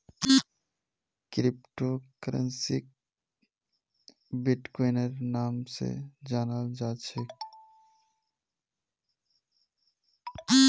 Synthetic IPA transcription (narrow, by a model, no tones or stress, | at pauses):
kɾɪpʈokəɾə̰nsik̚ | bɪʈkoɪnəɾnaːmsḛd͡ʒaːnald͡ʒaːt͡ʃʰek